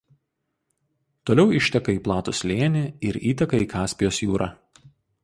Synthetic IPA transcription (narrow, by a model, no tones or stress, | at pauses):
t̪oːlʲɛʊɪʃʲt̪ʲɛkɐiːplˠɑːt̪ʊsʲlʲeːnʲɪɪɾiːt̪ʲɐkɐiːkɑːsʲpʲɪjoːsjuːɾɑ̰ː